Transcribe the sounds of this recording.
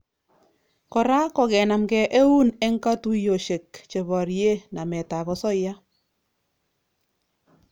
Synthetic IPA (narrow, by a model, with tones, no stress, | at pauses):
kɔ˨ɾa˦kɔ˨kɛ˨na˨mkɛ˨ʔe˦u˦nɛ˦ŋka˦tu˦jo˨ʃe˨kt͡ʃe˨βɔ˨ɾje˦na˨mɛ˨ta˨kɔ˦sɔ˦ja˦